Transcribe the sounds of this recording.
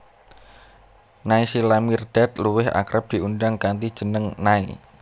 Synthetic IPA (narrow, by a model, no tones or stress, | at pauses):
naisilamird̪̥at̪̚luwɪɦʔa̰kɾəp̚d̪̥i̤undaŋkant̪id̥ʒ̥ə̤nəŋnai